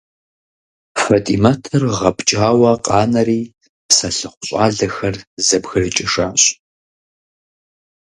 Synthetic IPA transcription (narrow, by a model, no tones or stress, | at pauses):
fɐtʼimɐtʰɨrʁɐpʼt͡ʃʼaːwɐqʼɑːnɐɾiː | psɐɬɨχʷʊɕʼɑːɮɐxɐrzɐbɣɨrɨt͡ʃʼɪʂaːɕʼ